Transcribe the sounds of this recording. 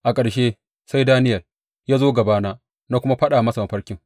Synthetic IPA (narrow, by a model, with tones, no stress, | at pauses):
ʔa˨kʼɐ˨ɽʃeː˦ | sa˦jdaː˦nɪ˦jɐ˨l | jaː˦zoː˦ɡɐ˨baː˦naː˦ | naː˦kʷʊ˦ma˦ɸɐ˦ɗaː˨mɐ˦sa˨ma˨ɸɐ˦ɽkʲɪ˦ŋ